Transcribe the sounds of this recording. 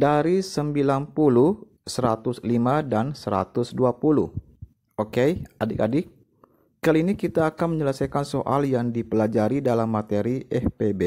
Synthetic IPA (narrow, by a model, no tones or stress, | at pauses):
daɾisəmbilanpuluh | səɾat̪ʊslimadansəɾa̰t̪ʊsduapuluh | okejadɪkadɪk̚ | kaliːnikit̪aːkanməɲələsajkansoʔa̰ljaŋdipəlad͡ʒaɾidalamːat̪eɾiʔɛhpebe